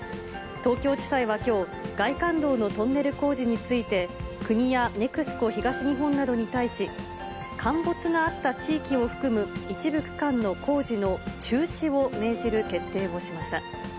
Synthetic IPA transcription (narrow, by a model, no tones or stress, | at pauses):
t̪o̞ːkʲo̞ːd͡ʑi̥t̪aiβ̞akʲo̞ː | ɡ̥aikãnd̪o̞ːno̞t̪õ̞nːe̞ɾɯ̟ko̞ːʑiɲ̟it͡sɨit̪e̞kɯ̟ɲ̟ijane̞kɯ̟sɨ̥ko̞çiɡaɕiɲ̟iɦõ̞nːad̪o̞ɲ̟it̪aiɕi | kʰãmbo̞t͡sɨɡaːt̪ːat͡ɕiːkʲio̞ɸɯ̟̥kɯ̟mɯ̟it͡ɕibɯ̟kɯ̟̥kãnːo̞kʰo̞ːʑino̞t͡ɕɨːɕio̞me̞ːʑiɾɯ̟ke̞t̪ːe̞ːmo̞ɕimaɕi̥t̪a